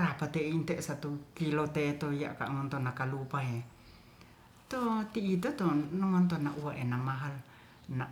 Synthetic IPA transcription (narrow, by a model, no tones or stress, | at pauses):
ɾapat̪eint̪ɛʔsat̪ukilot̪et̪oija̰ʔka̰ʔŋɔnt̪ɔnakalupaɦe | t̪ot̪iːt̪ot̪onɔŋɔnt̪onaʔuaʔenamaɦal | na